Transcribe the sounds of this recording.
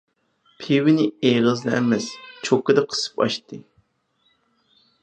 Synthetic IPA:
pʰiwɪnɪeʁəznɛʔɛmɛst͡ʃʰokːɨd̪ɨqʰə̥sɨ̥pɑ̰ʃt̪ɨ

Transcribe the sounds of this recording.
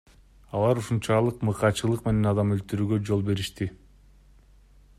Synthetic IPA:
ɑlˠɑɾuʃunt͡ʃɑlˠɯqmɯqɑt͡ʃɯlˠɯqme̞ne̞nɑd̪ɑmølt̪yɾyːɡø̞d͡ʒo̞lˠbe̞ɾiʃt̪i

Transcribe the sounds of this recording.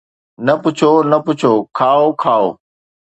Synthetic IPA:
nɐpʊt͡ʃʰoːnəpʊt͡ʃʰoːkʰaːokʰaːo̰ː

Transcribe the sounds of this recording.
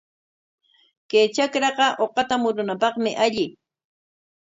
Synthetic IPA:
kejt͡ʃakɾɑqɑʔoqɑt̪amʊɾʊnapɑχmɪʔaʎɪ

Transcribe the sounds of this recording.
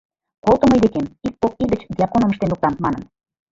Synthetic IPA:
kolˠt̪ə̆məjd̪ekemik̚pop̚id̪ə̆t͡ɕd̪ʲiɑkonə̆mə̆ʃ̬t̪enluk̚t̪ɑnt̪mɑnə̆n

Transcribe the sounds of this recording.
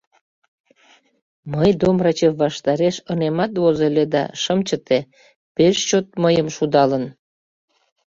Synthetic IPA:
məjd̪omrɑt͡ɕeβɑʃt̪ɑɾeʃənemɑt̪βozeled̪ɑ̰ʃəmt͡ɕət̪e | peʃt͡ɕot̪̚məjəmʃud̪ɑlən

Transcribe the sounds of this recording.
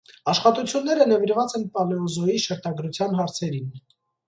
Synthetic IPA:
ɑʃχɑt̪ut͡sʰjunːɛɾənɛviɾvɑt͡sɛnpɑlɛɔzɔjiʃəɾt̪ɑɡɾut͡sʰjɑnɦɑɾt͡sʰɛɾin

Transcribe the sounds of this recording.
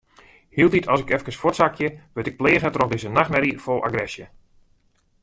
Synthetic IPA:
hiəlˠditʰɔsɪkɛfkəsfɔtsakʰjəʋətɪk̚pleːɣətrɔxdɪzənaxmɛɾifolˠa̰ɡrɛsjə

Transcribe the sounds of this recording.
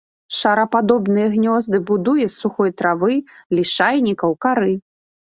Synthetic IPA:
ʂɐɾɐpad̪ɔbnɨjɛɣnʲɔzd̪ɨbud̪ujɛsːuxɔjt̪ɾavɨlʲiʂajnʲikɐwkaɾɨ

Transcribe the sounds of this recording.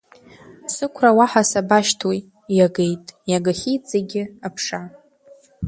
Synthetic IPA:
sɨkʷʰrawaħasabaʃtʰwoj | jaɡejtʼjaɡaχʲijt͡sʼeɡʲɪapʰʂa

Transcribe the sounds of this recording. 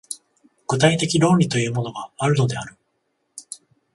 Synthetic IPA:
ɡ̥ɯ̟t̪ait̪e̞kʲiɾo̞ːɾʲit̪o̞jɯ̟ːmo̞no̞ɡaβaɾɯ̟d̪o̞d̪e̞aɾɯ̟

